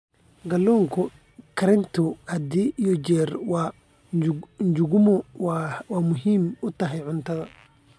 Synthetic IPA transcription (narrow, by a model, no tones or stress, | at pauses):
ɡɐlːɔːŋkʰʊ | kʰɐɾɪnt̪ʰɔhɐd̪iːjɔd͡ʒɛːɾwa | ɲd͡ʒʊɡʊmɔwwaːmʊɦiːmʊt̪ɐɦɛjʕʊnt̪ʰɐðɐ